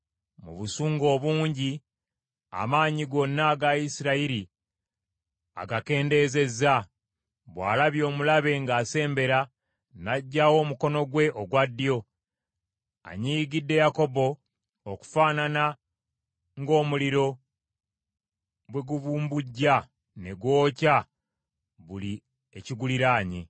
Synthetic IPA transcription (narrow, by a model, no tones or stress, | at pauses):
mṵβusuːŋɡo̞ːβuːɲɟi | a̰maːɲiɡo̞nːaɡaisiɾaiɾi | a̰ɡake̞ːnde̞ːze̞za | βwa̰ːlaβjo̞ːmulaβe̞ŋɡaːse̞ːmbe̞ɾa | naɟːawo̞ːmuko̞no̞ɡwe̞ʔo̞ɡwadːijo̞ | a̰ɲiːɡidːe̞jako̞bo̞ | oku̥faːnana | ŋɡo̞ːmuliɾo̞ | bwe̞ɡuβuːmbuɟːa | ne̞ɡwo̞ːca | βuli | eciɡuliɾaːɲe